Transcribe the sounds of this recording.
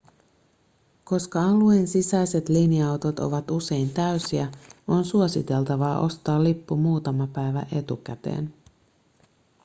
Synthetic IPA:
ko̞skɑɑluensisæjse̞t̪liniɑwt̪o̞t̪o̞̰ʋɑt̪use̞jnt̪æysiæo̞nsuosit̪e̞lt̪ɑʋɑːʔo̞st̪ɑːlːipːumuːt̪ɑmɑpæjʋæ̰ʔe̞t̪uk̟æt̪e̞̰ːn

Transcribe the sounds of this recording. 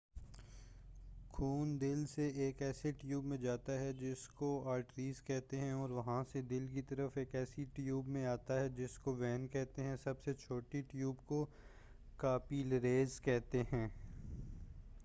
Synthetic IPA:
kʰuːnd̪ɪlseeːkɛːseʈjuːbmẽd͡ʒaːt̪aɦɛd͡ʒɪskoaːɾʈɾiːzkɛɦt̪eɦɛ̃ɔːɾʋɐɦãsed̪ɪlk̬it̪ɐɾəfeːkɛːsiʈjuːbmẽaːt̪aɦɛd͡ʒɪskoʋɛːnkɛɦt̪eɦɛ̃sɐbset͡ʃʰoːʈiʈjuːbko | kaːpilɐɾeːzkɛɦt̪eɦɛ̃ː

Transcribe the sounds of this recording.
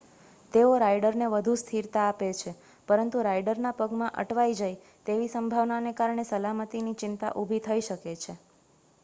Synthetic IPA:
t̪eoɾaiɖəɾneʋəd̪ʱust̪ʰiɾt̪aːpet͡ʃʰe | pəɾənt̪uɾajɖəɾnapəɡmãʔə̰ʈʋajd͡ʒaj | t̪eʋisəmbʱaʋnanekaɾɳesəlamət̪init͡ʃɪnt̪a̰ʔubʱit̪ʰəiʃəket͡ʃʰe

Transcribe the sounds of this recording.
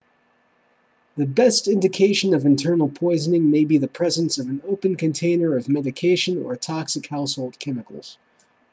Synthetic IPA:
ðɨbɛstɪ̃ndɨkʰeɪʃɨ̃nʌvɨ̃ntʰɜ̃˞nl̩ˠpʰɔɪznɪ̃ŋmeɪbiðɨpʰɹ̥ɛzɨ̃nsʌvɨ̃n̩oʊpɨ̃nkɨ̃ntʰẽɪ̃nə˞ʌvmɛɾɨkʰeɪʃɨ̃nə̰˞tʰɑksɨkhaʊshoʊlˠd̚kʰɛmɨkl̩ˠz̥

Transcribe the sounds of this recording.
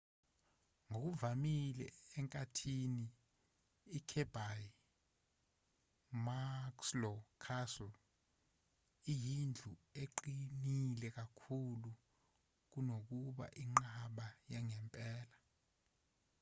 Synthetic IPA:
ŋok̬uvamilɛ̰ɛŋkʼatʰiniː | kʰɛb̥ʱaj | makslɔkʰasɔl | ijind͡ɮʱueǃinilɛk̬akʰulu | k̬unok̬uɓa̰ʔiŋ͡ǃaɓajaŋɛmpʼɛːla

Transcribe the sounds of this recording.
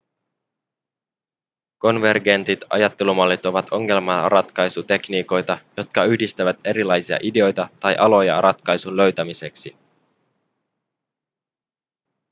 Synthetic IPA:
ko̞nʋe̞rɡe̞nt̪it̪ɑ̰jɑt̪ːe̞lumɑlːit̪o̞ʋɑt̪ʰo̞ŋːe̞lmɑrʔɑt̪kɑjsut̪e̞kniːko̞jt̪ɑjo̞t̪̚kɑyhdist̪æʋæt̪e̞ɾilɑjsiɑ̰ʔide̞o̞jt̪ɑt̪ɑjʔɑlo̞jɑ̰rɑt̪kɑjsunlø̞ɥt̪æmise̞ksi

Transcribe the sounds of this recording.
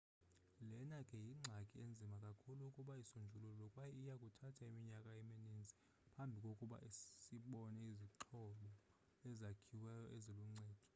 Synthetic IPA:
lɛnakʼɛjiŋ͡ǀʱakʼiend͡zʱimakʼakʰuluːkʼuɓaisund͡ʒʱulullɔkʼwajɛijakʼutʰatʰaimiɲakʼaɛminind͡zʱi | pʰambʱikʼokʼuɓa̰ʔisiɓɔnɛiziǁʰɔɓɔ | ɛzakʰiwɛjɔʔeziluŋ͡ǀɛːd̥ʱɔ̥

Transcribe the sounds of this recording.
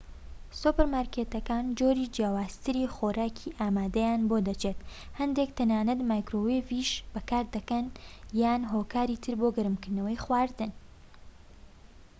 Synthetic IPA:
supəɾmaːɾket̪ɐkaːnd͡ʒoːɾid͡ʒjaːwaːz̥t̪ʰɨɾiːxoːɾaːkʰiːʔaːmaːd̪ɐjaːnbod̪ɐt͡ʃʰeːt̪ | hɐnd̪ek̚t̪ʰɐnaːnɨt̪maːjkɾoweviʃb̥ɐkaːɾd̪ɐkɐnjaːnɦoːkaːɾiːt̪ʰɨɾboːɡɨɾɨmkɨɾnɐwɐjxwaːɾd̪ɨn

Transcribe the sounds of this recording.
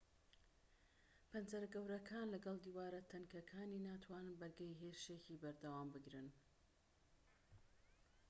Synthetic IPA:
pʰɐnzɐɾɡɐwɾɐkʰaːnlɐɡɐlˠd̪iːwaːɾɐt̪ʰɐnkɐkʰaːniːnaːt̪ʰwaːnɨnbɐɾɡɐjɦeɾʃeciːbɐɾd̪ɐwaːmbɨɡɾɨn

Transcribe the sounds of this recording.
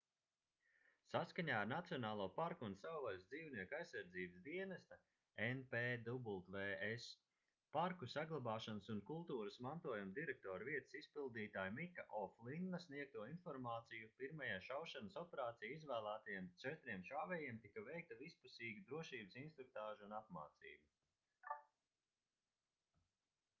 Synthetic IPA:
saskaɲaːɾnat̪sijɔnaːlˠuɔpaɾkuunsawvalʲsd̪ziːwniɛkajsːaɾd̪ziːbəsd̪iɛnɐst̪a | enpeːd̪ubulˠt̪veːes | paɾkusaɡlˠabaːʃansunkulˠt̪uːɾəsmant̪uɔjumd̪iɾɛk̚t̪ɔːɾviɛt̪ə̥sispilˠd̪iːt̪aːjmikaʔɔflˠinːɐsniɛk̚t̪uɔinfɔɾmaːt̪sijupiɾmajaːʃawʃanəsɔpɛɾaːt̪sijizvæːlˠæːt̪ɐjɛmt͡ʃɛt̪ɾiɛmʃaːvɛjiɛmt̪ikɐvɛjk̚t̪ɐvispusiːɡud̪ɾuɔʃiːbəsinst̪ɾuk̚t̪aːʒuunapma̰ːt̪sḭːbu

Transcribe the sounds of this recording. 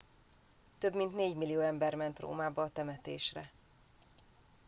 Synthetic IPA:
t̪øbmint̪neːɟmilːijoːɛmbɛrmɛnt̪ro̰ːmaːbɒːt̪ɛmɛt̪eːʃrɛ̰

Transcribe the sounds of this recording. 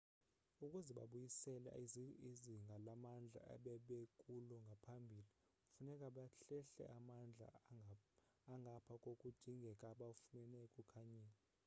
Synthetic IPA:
ukʼuzɛɓa̰ɓujisɛla̰iziŋɡʱalamand͡ɮʱa̰a̰ɓɛɓekʼulɔŋɡʱapʰambʱili | funɛkʼaɓaɬɛɬɛ̰ʔamand͡ɮʱa̰ | aŋɡʱapʰakʼokʼud̥d̥ʱiŋɡʱɛkʼaɓafunɛnɛkʼukʰaɲiːla

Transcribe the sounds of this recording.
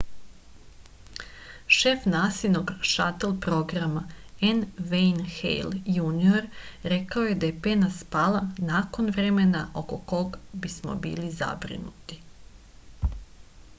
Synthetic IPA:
ʃe̞fnaːsiʋno̞ɡʃat̪elˠpɾo̞ɡɾamaenʋejnxḛjljunio̞ɾɾe̞kaoje̞d̪ajepenaspaːlˠanako̞nʋɾemenaʔo̞koko̞ɡbismo̰bḭːliza̰bɾḭnut̪i̥

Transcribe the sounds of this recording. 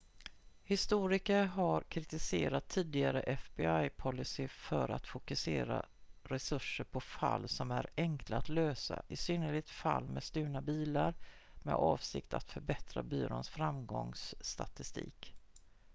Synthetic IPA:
hɪst̪uːɾɪkəɾɦaɾkʰɾɪt̪ɪseːɾat̪ʰːiːd̪ɪɡaɾəʔɛfbɪajpʰɔlːɪsɪfœɾa̰t̪fʊkɵseːɾa̰ɾɛsɵʂːəɾpʰɔfalːsɔmæɾɛŋkʰlaat̪løːsa̰ʔɪsyːnəɭɪɡ̚t̪falːmɛst̪ʉ̟ːnabiːlaɾ | mɛ̰d̪ɑːvsɪ̰kt̪ʰa̰t̪fœɾbɛt̪ɾabyːɾo̰nsfɾamɡɔŋsːt̪at̪ɪst̪ḭːk

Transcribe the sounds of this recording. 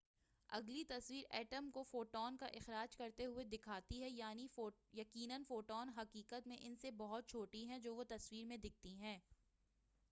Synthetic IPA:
ɐ̰ɡlit̪ɐswiːɾɛːʈəmkofoːʈɔːnkaʔɪxɾaːd͡ʒkɐɾt̪eɦʊed̪ɪkʰaːt̪iɦɛjaːniojɐkiːnənfoːʈɔːnɦɐkiːkət̪mẽʔɪnsebɐɦʊt̪̚t͡ʃʰoːʈiɦɛ̃d͡ʒoːʋot̪ɐswiːɾmẽd̪ɪk̚t̪iɦɛ̃ː

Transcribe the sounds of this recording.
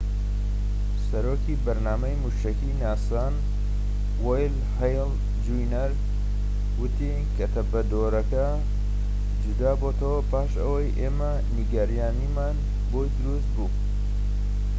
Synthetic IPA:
sɐɾoːkibɐɾnaːmɐjmuʃɐkinaːsan | wojl | hɐjl | d͡ʒujnɐɾ | wɨt̪i | kʰɐt̪ʰɐbɐd̪oːɾɐkɐ | d͡ʒud̪aːbot̪ʰɐwɐpaːʃɐ̰wɐjʔeːmɐ | niɡɐɾijaːnimaːn | bojd̪ɨɾust̪̚buː

